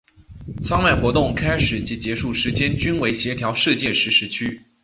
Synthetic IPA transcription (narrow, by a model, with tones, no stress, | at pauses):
t͡sʰwɑ˥ŋma˥˩ɪxwɔ˧˥t̪ʊ˥˩ŋkʰa˥ɪʂɻ̩˨˩t͡ɕi˧˥t͡ɕjɛ˧˥ʂu˥˩ʂɻ̩˧˥t͡ɕjɛ˥nt͡ɕy˥nwe˧˥ɪɕjɛ˧˥t̪ʰjɑ˧˥ʊʂɻ̩˥˧t͡ɕjɛ˥˩ʂɻ̩˧˥ʂɻ̩˧˥t͡ɕʰy˥